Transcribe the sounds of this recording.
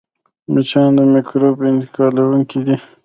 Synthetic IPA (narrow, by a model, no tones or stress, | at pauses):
mit͡ʃɑnd̪əmɪkɾopɪnt̪ɪ̥kɑlawuŋkid̪i